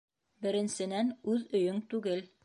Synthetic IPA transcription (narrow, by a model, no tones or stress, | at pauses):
bɘ̆ɾɘ̆nsɘ̆nænʉðɵ̆jɵŋt̪ʉɡɘl